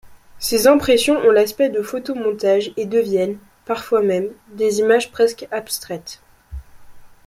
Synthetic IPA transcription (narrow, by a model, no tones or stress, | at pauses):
sezɛ̃pχesjɔ̃ʔɔ̃laspɛd̪əfot̪omɔ̃t̪aʒed̪əvjɛn | paʁfwamɛmd̪ezimaʒpχɛskapst̪χɛt̪